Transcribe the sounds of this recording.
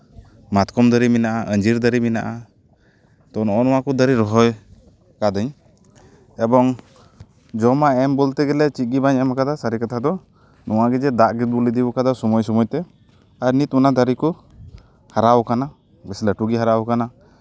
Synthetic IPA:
mat̪kɔmd̪əɾiminaʔaʔəɲd͡ʒiɾd̪əɾimina̰ʔa | t̪ɔnɔʔɔnɔwakɔd̪əɾiɾɔɦɔj | kad̪əɲ | ɛbɔŋ | d͡ʒɔmaɛmbɔlt̪ɛɡɛlɛt͡ʃit̪̚ɡibaɲamakad̪asaɾikat̪ʰad̪ɔ | nʔɔwaɡɛd͡ʒɛd̪aʔɡit̪̚bulid̪ibɔkad̪asɔmɔjsɔmɔjt̪ɛ | aɾnit̪unad̪aɾiku | haɾawkana | bɛslaʈuɡiɦaɾawkana

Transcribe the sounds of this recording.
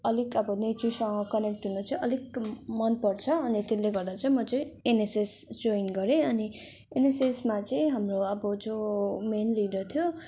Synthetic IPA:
ʌlikʌbʌnetisʌŋɡʌkʌnekʈɦunot͡sʌĩʔʌlikmʌnpʌrt͡sʰʌːnit̪eleɡʌrd̪at͡sʌĩmʌt͡sʌĩenesesd͡zoinɡʌɾẽʌni | enesesmat͡sʌĩɦamroʌbʌd͡zomenlidʌt̪ʰjo

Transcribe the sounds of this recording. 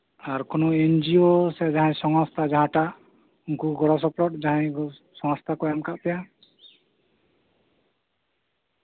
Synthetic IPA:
aɾkɔnɔend͡ʒiosɛd͡ʒaɦɛ̃sɔŋɔst̪ʰad͡ʒaɦãʈa | uŋkuɡɔɾɔs̬ɔpɾɔʈ̚d͡ʒaɦɛ̃ɡ | sɔŋst̪ʰakɔjamkaʔpɛja

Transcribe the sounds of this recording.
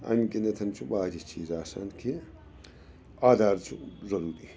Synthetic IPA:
ɐ̰nkinɐt̪ʰɐnt͡ʃʰubaːd͡ʒit͡ʃʰiːzaːsa̰nkʰi | aːd̪aːɾt͡ʃʰuzɐɾuːɾi

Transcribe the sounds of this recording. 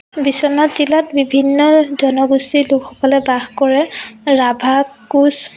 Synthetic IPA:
bisɔnatilatbibʱinːɔzɔnɔɡustilukʰxɔkɔlɛbaxkɔɹɛɹabʱakus

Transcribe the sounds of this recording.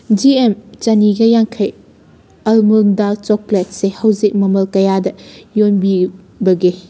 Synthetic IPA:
d͡ʒiemt͡ʃɐniɡɐjaŋkʰɐj | ɐlmundalt͡ʃɔklet̚sehɐwzik̚mɐmɐlkɐjadɐjonbi | bɐɡi

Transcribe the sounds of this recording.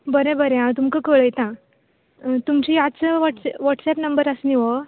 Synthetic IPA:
bəɾẽbəɾẽãt̪umkəkəɭəjt̪ã | t̪umt͡ɕijat͡səʋəʈsʋaʈsɛpnəmbəɾəsniʋə

